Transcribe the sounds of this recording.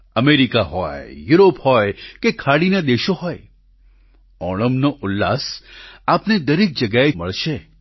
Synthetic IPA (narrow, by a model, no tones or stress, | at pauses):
ɐmeːɾikaɦɔːejuːɾoːphɔːekekʰaːɽinad̪eːʃoɦɔːe | ɔːɽ̃əmnoʔʊlːa̰ːsaːpned̪ɐɾɪk̚d͡ʒɐɡaemɐ̰ɭʃeː